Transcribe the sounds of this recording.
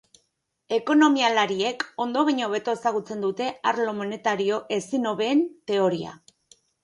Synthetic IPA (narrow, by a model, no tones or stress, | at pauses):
e̞ko̞no̞mialaɾie̞ko̞nd̪o̞βaɲoβe̞t̪oesaɣ̞ut͡se̞nd̪ut̪e̞aɾlo̞mo̞ne̞t̪aɾio̞ʔe̞sino̞βe̞ːnt̪e̞o̞ɾia̰